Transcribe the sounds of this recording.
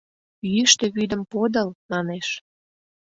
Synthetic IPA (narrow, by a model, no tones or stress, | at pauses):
jyʃt̪e̽βyd̪ə̆mpod̪əlmɑneʃ